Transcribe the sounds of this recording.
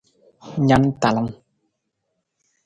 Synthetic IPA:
ɲa˦˥nt̪a˨la˨˦ŋ

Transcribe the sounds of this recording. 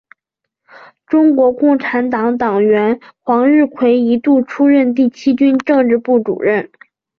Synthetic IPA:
ʈ͡ʂʊ˥ŋkwɔ˧˥kʊ˥˩ŋʈ͡ʂʰa˧˥nt̪ɑ˧˥ŋt̪̬ɑ˨˩ŋɥɛ˧˥nxwɑ˧˥ŋɻɻ̩˥˩kʰwe˧˥ɪi˧˥t̪u˥˩ʈ͡ʂʰu˥ɻə˥˧nt̪i˥˩t͡ɕʰi˥t͡ɕy˥nʈ͡ʂɤ˥˧ŋʈ͡ʂɻ̩˥˧pu˥˩ʈ͡ʂṵ˨˩ɻə˥˩n

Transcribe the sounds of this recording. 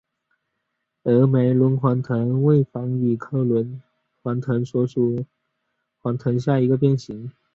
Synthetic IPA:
ɤ˧˥me˧˥ɪlwə˧˥nxʰwa˧˥nt̪ʰɤ˧˥ŋwe˥˩ɪfɑ˧˥ŋy˨˩kʰɤ˥lwə˧˥n | xwa˧˥nt̪ʰɤ˧˥ŋswɔ˥ʈ͡ʂʰu˥ | xʰwa˧˥nt̪ʰɤ˧˥nɕja˥˩i˧˥ɡə˧p̬jɛ˥˩nɕi˧˥ŋ

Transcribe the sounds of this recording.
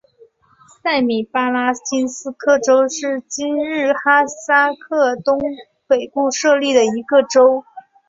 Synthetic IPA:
sa˥˩ɪmi˨˩pa˥la˥t͡ɕi˥nsɹ̩˥kʰɤ˥˩ʈ͡ʂo˥ʊʂɻ̩˥˩t͡ɕi˥nɻɻ̩˥˩xa˥sa˥kʰɤ˥˩t̪ʊ˥ŋ | pe˨˩ɪpu˥˧ʂɤ˥˧li˥˩d̪ə˩i˧˥ɡə˧ʈ͡ʂo˥ʊ

